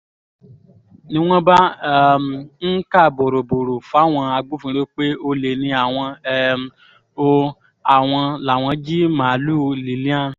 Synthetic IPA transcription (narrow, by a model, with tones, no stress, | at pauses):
nĩ˦w̃ɔ̃˦ba˦ | n̩˦ka˦˨bo˨ɾo˨bo˨ɾo˨fa˨˦w̃ɔ̃˧a˧ɡ͡bu˦fĩ˧˦ɾe˦k͡pe˦o˧le˨nĩ˧a˨w̃ɔ̃˧ɛ˦ | o˦ | a˨w̃ɔ̃˧la˨w̃ɔ̃˧d͡ʒi˦mãː˨lu˦li˨lĩ˦ã˦˨